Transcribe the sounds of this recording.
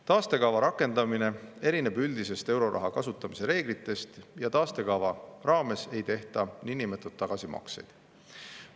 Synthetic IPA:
t̪ɑːst̪e̞kɑvɑɾɑkːˑe̞nd̪̥ɑmine̞e̞ɾine̞byld̪̥ise̞st̪e̞wɾo̞ɾʔɑ̰ɦɑkɑsut̪ːˑɑmise̞ɾe̞ːɡ̥lit̪ːˑe̞st̪jɑt̪ɑːst̪e̞kɑvɑrɑːme̞se̞jt̪e̞ht̪ɑniinimet̪ːˑut̪ːɑɡ̥ɑsimɑ̰kse̞̰jd̪̥

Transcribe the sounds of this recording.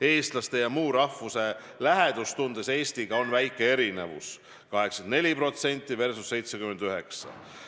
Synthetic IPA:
e̞ːst̪lɑst̪ejɑmuːɾɑhvuse̞ | læɦe̞d̪̥ust̪und̪̥ese̞ːst̪iɡ̥ɑo̞nvæjkːˑe̞e̞ɾine̞̰vṵs | kɑɦe̞ksɑnd̪ne̞lʲipro̞t̪se̞nʲt̪ʲːˑive̞rsusːe̞jt̪se̞kymend̪̥yɦe̞ksɑ̰

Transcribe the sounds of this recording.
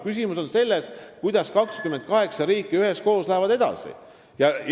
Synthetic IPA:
kys̬imuso̞nse̞lːe̞skujd̪̥ɑskɑkskyme̞nt̪̚kɑɦe̞ksɑɾiːkˑːiyɦe̞sko̞ːslæevɑd̪e̞d̪̥ɑ̰sḭ | jɑj

